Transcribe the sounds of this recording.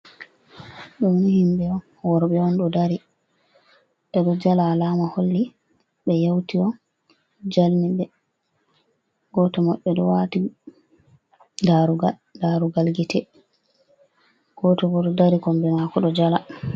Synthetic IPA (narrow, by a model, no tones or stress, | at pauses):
ɗɔnnhimɓɛɔn | wɔɾɓɛɔnɗɔdaɾi | ʔɛɗɔd͡ʒalaːlamaholːi | ɓɛjawtiɔ | d͡ʒalniɓɛ | ɡ̥ɔtɔmaɓːɛdɔwati | daɾuɡa | daɾuɡalɡitɛ | ɡ̥ɔtɔbɔɗɔdaɾikɔmbɛmakɔɗɔd͡ʒala